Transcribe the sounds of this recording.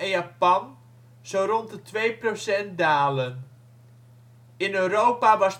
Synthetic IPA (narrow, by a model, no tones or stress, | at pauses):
ɛnjapɑn | z̥owrɔntətʋejprosɛnt̚daːlən | ɪnøɾowpaʋɑs